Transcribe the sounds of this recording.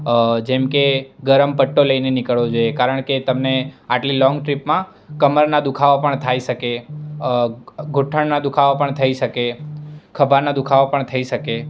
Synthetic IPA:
d͡ʒɛmkeɡəɾəmpəʈːoləinenɪkəɭʋod͡ʒojekaɾəɳ̃ket̪əmneaʈlilɔ̃ŋɡʈɾipmã | kəməɾnad̪ukʰaʋopəɳt̪ʰaiʃəke | ɡʱoʈʰəɳnad̪ukʰaʋopəɳt̪ʰəiʃəkekʰəbaɾnad̪ukʰaʋopəɳt̪ʰəiʃəke

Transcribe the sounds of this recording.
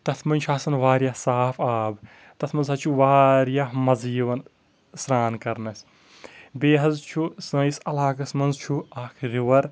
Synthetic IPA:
t̪ɐt̪ʰmɐnʲt͡ʃʰaːsɐnʋaːɾjasaːfʰaːb | t̪ɐt̪ʰmɐnzɐt͡ʃʰuʋaːɾjaɦmɐziːʋɐn | sɾaːnkɐɾnɐs | beːɦɐzt͡ʃʰusɐ̃isɐlaːkɐsmɐnzt͡ʃʰuaːkʰɾiʋɐɾ

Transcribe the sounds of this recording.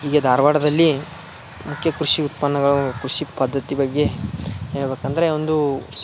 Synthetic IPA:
iːɡɐd̪ʱaːɾʋaːɽɐd̪ɐlːi | mukʰːjɐkɾuʃiut̪pɐnːɐɡɐɭukɾuʃipɐd̪ʱːɐt̪ibɐɡːe̞eɭbeːkɐnd̪ɐɾe̞ond̪u

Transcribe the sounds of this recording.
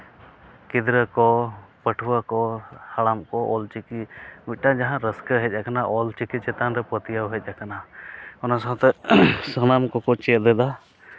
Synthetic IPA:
kid̪ɾəkɔpəʈʰuwakɔhalamkɔʔɔlt͡ʃikiuc̪̚ʈad͡ʒaɦãɾəskəɦɛt̚ˀʔakanaʔɔlt͡ʃikit͡ʃɛt̪anɾɛpət̪ijawɦɛt̪̚ˀakanaɔnasaɦɔ̃t̪ɛsənamkɔkɔt͡ʃɛt̪d̪ɛd̪a

